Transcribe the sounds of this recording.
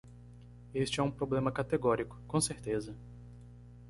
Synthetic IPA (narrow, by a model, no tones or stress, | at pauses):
est͡ʃɪɛũpɾoblẽmɐkat̪eɡɔɾikʊ̥kõseɾt̪ezɐ